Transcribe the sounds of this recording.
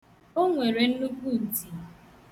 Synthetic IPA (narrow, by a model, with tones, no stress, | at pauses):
o˦ŋʷe˨ɾe˨n̩˦nu˦ku˦˨n̩˨ti˨